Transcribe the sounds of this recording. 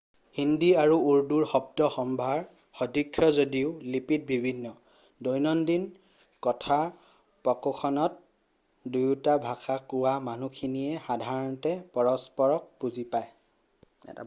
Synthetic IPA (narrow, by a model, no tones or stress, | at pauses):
hindiaɹuuɹduɹxɔb̚tɔxɔmbʱaɹ | xɔdʱikʰːjɔzodiʊlipit̚bʱibʱinːɔ | dɔjnɔndin | kɔtʰa | pɔkɔkʰɔnɔt̚ | dujtabʱaxakuwamanukʰinijɛxadʱaɹɔntɛpɔɹɔspɔɹɔk̚puzipaj | ɛ̰ta̰